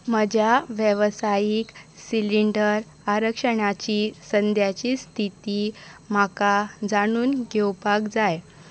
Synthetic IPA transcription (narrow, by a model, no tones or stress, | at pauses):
məd͡ʑjaʋjəʋsajiksiliɳɖəɾ | aɾəkʂəɳat͡ɕiːsənd̪ʱjat͡ɕiːst̪ʰit̪iːmakad͡zaɽ̃uːnɡewpakd͡zaj